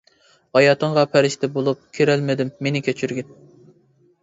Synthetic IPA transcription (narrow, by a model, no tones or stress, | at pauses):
hɑjɑːt̪ʰəŋʁɑpʰæɾɪʃt̪ʰɛbolˠup̚kʲʰeɾælmɪd̪ɪmːenɪkʲʰet͡ʃʰyɾɡʲɪn